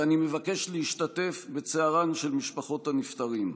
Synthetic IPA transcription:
anime̞vake̞ʃleiʃtate̞fbe̞t͡seaʁanʃe̞lmiʃpaχo̞thanift̪aʁim

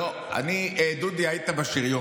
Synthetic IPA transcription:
o | a̰niʔed̪ud̪iait̪abaʃiʁjo

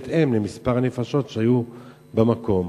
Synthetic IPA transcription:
t̪emlemispaʁanefaʃo̞tʃeaju | bemako̞m

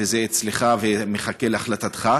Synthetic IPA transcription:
ezeːt͡sleχavemeχake̞laχlat̪at̪χa

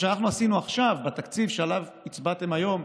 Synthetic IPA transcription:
ʃeanaχnuasinuaχʃavbet̪akt͡sivʃealav | it͡sbat̪e̞majo̞m

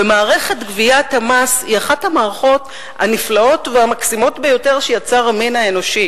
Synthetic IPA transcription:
bemaːʁe̞χe̞tɡviathamasiaχathamaːʁaχo̞t | a̰niflao̞tveamaksimo̞tbejo̞te̞ʁʃejat͡saʁaminae̞no̞ʃi

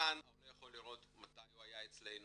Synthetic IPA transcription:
analojaχo̞lːiʁo̞t̪mat̪ajuajaet͡slejn

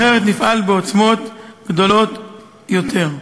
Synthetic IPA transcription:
eʁet̪nifalbeot͡smo̞t̪ɡ̥d̪o̞lo̞t̪ | jot̪ʰeʁ

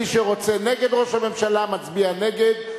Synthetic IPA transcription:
iʃeʁo̞t͡se̞ne̞ɡe̞d̪ʁo̞ʃhame̞mʃalamat͡sbiane̞ɡed̪

